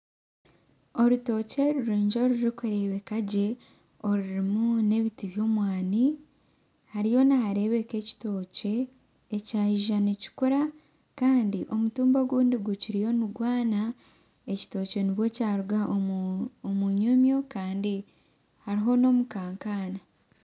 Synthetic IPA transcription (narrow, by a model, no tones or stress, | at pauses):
o̞ɾuto̞ce̞ɾuɾiːɲd͡ʒoɾuɾikuɾe̞βe̞kaɟe̞ | o̞ɾuɾimune̞βitiβjo̞ːmwaːni | haɾijo̞naɦaɾe̞βe̞ke̞ci̥to̞ːce̞ː | caːʒiʒaneci̥kuɾa | kaːndiʔo̞mutuːmboɡuːndiɡuciɾijo̞nuɡwaːna | e̞ci̥to̞ːce̞niβwo̞caːɾuɡaʔoomuɲomjo̞kaːndi | haɾiɦo̞no̞mukaːŋkaːna